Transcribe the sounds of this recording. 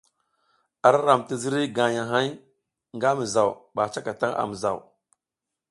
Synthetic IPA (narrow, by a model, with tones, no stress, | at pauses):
a˨ɾa˦ɾa˨mti˦zi˦ɾi˦ɡa˨ja˨ɦa˦j | ŋɡa˦mi˨za˨wɓa˨t͡ʃa˦ka˨ta˦ŋʔa̰˨mi˨za̰˨w